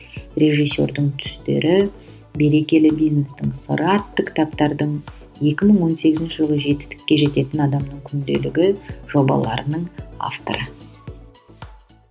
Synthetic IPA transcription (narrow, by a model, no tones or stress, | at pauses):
re̞ʒijsʲːo̞̰ɾd̪əɴt̪ʰʏ̥st̪e̞̰ɾʔɪ | be̞ɾe̞kʲe̞lɪbijzne̞st̪ɪŋsə̰ɾɑt̪ːəkʲʰɪ̥t̪apt̪ɑɾd̪əɴ | je̞kʲɪməɴwo̞nse̞ɡʲɪzɪnʃɪʒəlˠəʒe̞t̪ɪ̥st̪ɪ̥kʲːe̞ʒe̞t̪e̞t̪ɪnɑd̪ɑmnəŋkʲʰʏnd̪e̞̰lɪɡʲɪʒ̥o̞bɑ̰lˠɑ̰ɾənəɴa̰ft̪o̰ɾə